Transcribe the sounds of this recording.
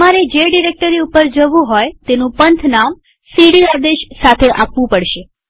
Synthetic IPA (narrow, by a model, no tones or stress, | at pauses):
maɾed͡ʒeɖiɾek̚ʈəɾiupəɾd͡ʒəʋũɦojt̪enũpənt̪ʰnam | siɽiad̪eʃsat̪ʰeʔapʋũpəɽʃe